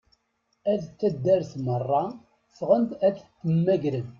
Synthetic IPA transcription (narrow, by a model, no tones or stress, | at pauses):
æðθæd̪ːæɾθmərˤːɑ | θʁənt̪æt͡sːθmːæɡɾən